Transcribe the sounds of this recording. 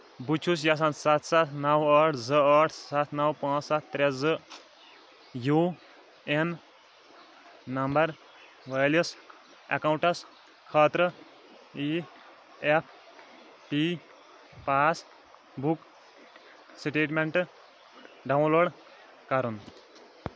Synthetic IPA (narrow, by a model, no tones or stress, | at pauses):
but͡ʃʰusjas̬ãːnt͡ssat̪ʰsat̪ʰnɐwɐʈʰd͡zɨɐʈʰsat̪ʰnɐwpãːt͡ssat̪̚ʰːɾezɨ | ju | en | nɐmbɐɾ | ʋɐjlɐs | ɐ̰kawũɳʈɐs | kʰaːt̪ɾə | i | epʰ | pi | paːt͡s | buk | siʈeːʈmeɳʈ | ɖɐw̃nloːɽ | kɐɾun